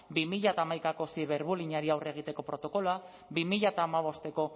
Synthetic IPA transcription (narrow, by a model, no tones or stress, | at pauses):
bimiʎat̪aːmajkako̞siβe̞ɾβuliɲaɾiawreɣ̞it̪e̞ko̞pɾo̞t̪o̞ko̞loa | bimiʎat̪aːmaβ̞o̞st̪e̞ko̞